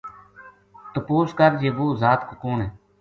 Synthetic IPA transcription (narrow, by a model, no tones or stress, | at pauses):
t̪əpoːskəɾd͡ʒeːʋoːzaːt̪kokoːnɦeː